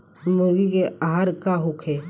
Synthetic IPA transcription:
mʊɾɡikeaɦaɾkaɦʊkʰeː

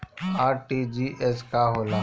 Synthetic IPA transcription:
aːɾʈiːd͡ʒiːʔɛskaːɦoːlaː

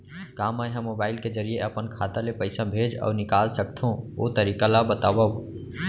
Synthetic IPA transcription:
kaːməjɦə̃mːoːbaːɪlkezəɾijeʔəpənkʰaːt̪alepəɪsabʱeːd͡ʒɔ̰ːɾnɪkaːlsəkt̪ʰɦõot̪əɾiːkalabət̪aːwa

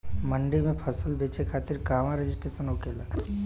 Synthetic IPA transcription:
məɳɖimẽpʰəsəlbeːt͡ʃekʰaːt̪ɪɾkaːʋãɾed͡ʒɪsʈɾeːsənɦokeːla̰ː

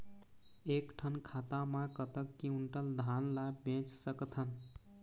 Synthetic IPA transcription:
ekʈʰənkʰat̪amãkət̪əkːiuɳʈəld̪ʱanlabẽt͡ʃsəkt̪ʰən

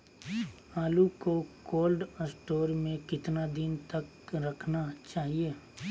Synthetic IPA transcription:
aːlukokoːlɖəsʈoːɾmẽkɪt̪nad̪ɪnt̪ɐk | ɾɐkʰnat͡ʃaːɦieː

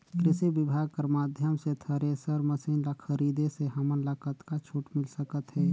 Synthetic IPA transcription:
kɾɪsibibʱaːɡ̚kəɾmaːd̪ʱjəmset̪ʰəɾesəɾməsiːnlakʰəɾid̪eseɦəmənləkət̪kat͡ʃʰuʈmɪlsəkət̪ɦɛ

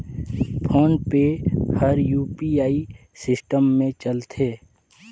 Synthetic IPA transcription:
pʰoːnpehəɾjuːpiaːi | sɪsʈəmːẽt͡ʃəlt̪ʰeː

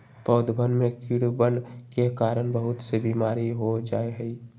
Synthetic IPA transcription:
pəːd̪bənmẽkiɽbənkekaːɾənbəɦʊt̪sebiːmaːɾiɦod͡ʒaːeɦɛi

